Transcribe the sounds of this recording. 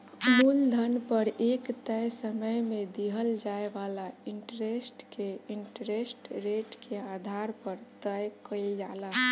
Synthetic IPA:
muld̪ʱənpəɾekt̪əjsəməjmẽd̪iɦəld͡ʒaeʋalaiɳʈɾesʈkeiɳʈɾesʈɾeʈkʰead̪ʱaɾpəɾt̪əjkəed͡ʒala

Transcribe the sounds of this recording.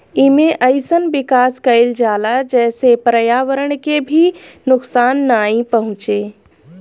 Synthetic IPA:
ɪmẽʔɐɪsənʋɪkaːskɐɪld͡ʒaːlad͡ʒɛːsepɾəjaːʋəɾəɽ̃kebʱinʊksaːnːaːĩpɐɦʊ̃t͡ʃeː

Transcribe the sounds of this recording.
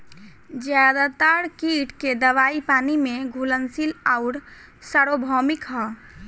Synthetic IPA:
d͡ʒjad̪at̪əɾkiʈked̪əʋaːipaːnimẽɡʱulənsilaʊɾ | səɾobʱɔmikɦɔ

